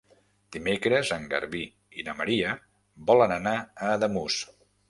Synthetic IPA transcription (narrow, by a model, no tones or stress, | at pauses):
d̪̥imekɾəzəŋɡə̰ɾβi | inəməɾiə | bɔlənənaəːðəmus